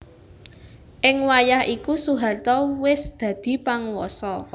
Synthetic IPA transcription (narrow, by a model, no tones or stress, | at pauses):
ʔɪŋwajahʔikusuɦart̪ɔwɪsd̪̥ä̤d̪̥i̤paŋwɔsɔ